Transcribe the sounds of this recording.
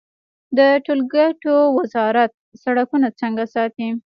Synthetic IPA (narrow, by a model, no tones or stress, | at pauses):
d̪əʈolɡaʈowazɑɾat̪̚saɽakunat͡səŋɡasɑt̪i